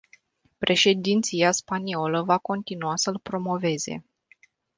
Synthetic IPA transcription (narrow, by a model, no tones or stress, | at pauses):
pɾʔe̞ʃe̞d̪int̪siaspanio̞ləvako̞nt̪inuasəlpɾo̞mo̞ve̞ze̞̰